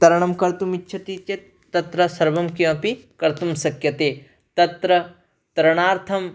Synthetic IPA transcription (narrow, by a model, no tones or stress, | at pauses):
t̪ɐɾɐɳ̃ɐmkɐɾt̪umitːʃʰɐʈ̪it͡ʃe | t̪ːɐt̪ɾɐsɐɾʋɐmkiɐ̃pikɐɾt̪umsɐkjɐt̪eː | t̪ɐt̪ɾɐ | t̪ɐɾɐɳ̃aːɾt̪ʰɐm